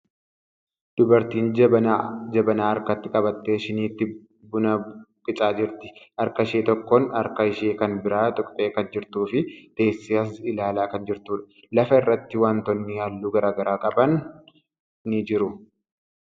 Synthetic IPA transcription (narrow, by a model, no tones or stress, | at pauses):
d̪̥ʊbɐɾt̪iːnɐd͡ʒɐbɐnaːɐɾkɐt̪ːɪkʼɐbɐt̪ːe̞ːʃɪniːt̪ːɪ | bʊnɐkʼɪt͡ʃʼaːd͡ʒɪɾt̪ɪ̥ʔɐɾkɐɪʃeːt̪ɔkːɔnɐɾkɐɪʃeːkɐnbɪɾaːt̪ʼʊkʼpʼe̞ːkɐnd͡ʒɪɾt̪uːfɪt̪e̞ːsːɪɐs̬ɪlaːlaːkɐnd͡ʒɪɾt̪uːᶑɐ̥ | lɐfɐɪrːɐt̪ːɪwaːnt̪ɔnːɪjaːlːuːɡɐɾaːɡɐɾaːkʼɐbɐn | ɪd͡ʒɪɾʊ